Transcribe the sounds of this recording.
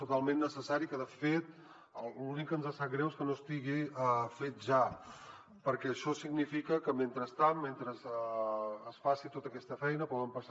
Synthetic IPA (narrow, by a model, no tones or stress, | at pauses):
t̪ut̪alˠmenːəsəsaɾikəðəfet̪ | llunikənzasat̪̚ɡɾɛwskənost̪iɣiəfet̪̚ʒa | pəɾkɛəʃɔsiɡnifikəkəment̪ɾəst̪anmːent̪ɾəzː | sfasit̪ot̪əkɛst̪əfɛjnəpɔðəmpəs